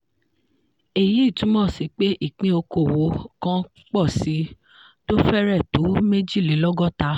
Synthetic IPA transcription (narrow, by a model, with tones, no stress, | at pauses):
e˨ji˨˦˨tũ˨˦mɔ̃˦˨si˨k͡pe˦ʔi˦˨k͡pĩ˧˦o˧ko˨wo˨˦kã˦ | k͡pɔ˦˨si˨˦ | to˦fɛ˦ɾɛ˦˨to˨˦me˦d͡ʒi˦˨le˨˦lɔ˦ɡɔ˦˨ta˧˦